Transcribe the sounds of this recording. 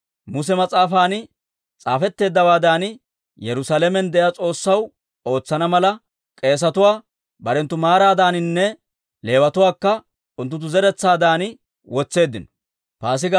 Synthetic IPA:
mʊs̬ɛmɐt͡sʼaːfaːnɪ | t͡sʼaːfɛt̪ːe̞ːd̪ːɐwaːd̪aːnɪ | jɛɾʊsaːlɛmɛnd̪ɛʔjaːt͡sʼo̞ːsːɐw | o̞ːt͡sːɐnɐmɐlɐ | kʼe̞ːs̬ɐt̪ʊwaː | bɐɾɛnt̪ːʊmaːɾaːd̪aːnɪnːɛ | le̞ːwɐt̪ʊwaːkːɐ | ʊnt̪ːʊt̪̬ːʊzɛɾɛt͡sːaːd̪aːnɪ | wɔt͡sːe̞ːd̪ːɪnɔ̥ | faːs̬ɪɡ

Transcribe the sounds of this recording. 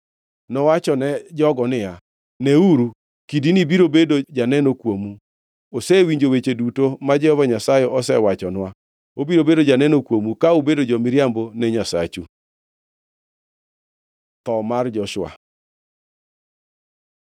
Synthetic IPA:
nɔwat͡ʃɔnɛd͡ʒɔɡɔnɪja | nɛuɾu | kidinibiɾobedod͡ʒanɛnokwomu | osɛwiɲd͡ʒowet͡ʃedutomad͡ʒɛhɔvaɲasajɛʔɔsɛwat͡ʃɔnwa | obiɾobedod͡ʒanɛnokwomukaubedod͡ʒɔmɪɾjambonɛɲasa̰t͡ʃu | t̪ɔmard͡ʒɔʃwa̰

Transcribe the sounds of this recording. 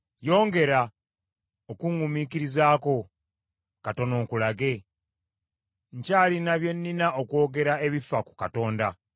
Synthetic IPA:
jo̞ːŋɡe̞ɾa | okuŋumikiɾizaːko̞ | kato̞no̞ːkulaɡe̞ | ɲcaːlinaβje̞nːinaʔo̞kwo̞ːɡe̞ɾae̞βifaku̥kato̞ːnda

